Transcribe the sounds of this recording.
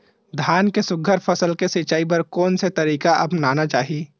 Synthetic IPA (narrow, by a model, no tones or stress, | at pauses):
d̪ʱjaːnkesʊɡʱəɾpʰɐsəlkesɪt͡ʃaːip̬ɐɾkɔːnset̪ɐɾiːkaʔɐpnaːnat͡ʃaːɦi